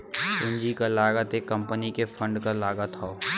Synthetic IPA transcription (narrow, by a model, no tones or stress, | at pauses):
ɪ̃ɲd͡ʒikalaːɡət̪ekə̃mpənikefʰə̃ɳɖkalaːɡət̪ɦoː